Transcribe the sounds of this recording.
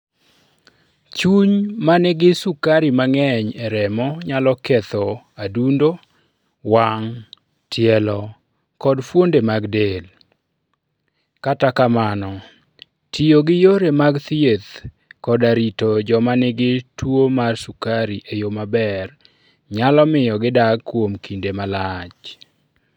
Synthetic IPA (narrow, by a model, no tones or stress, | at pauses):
t͡ʃuɲmanɛɡɪsukaɾimaŋɛɲɛɾɛmɔɲalɔkɛt̪ɔ | adundo | waŋ | tʰɪɛlɔ | kɔdfwondemaɡdel | katakamanɔ | tijoɡɪjoɾemaɡt̪iet̪ | kɔdaɾitod͡ʒɔmanɪɡɪtwomarsukaɾiʔejomabɛr | ɲalɔmɪjɔɡɪdaɡkːwomkindemalat͡ʃ